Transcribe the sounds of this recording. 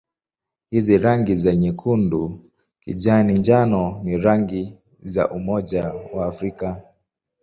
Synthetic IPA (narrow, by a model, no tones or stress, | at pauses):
hiziɾaŋɡizɛɲɛkʰundu | kḭʄaniɲd͡ʒanɔniɾaŋɡi | za̰ʔumɔʄawaːfɾika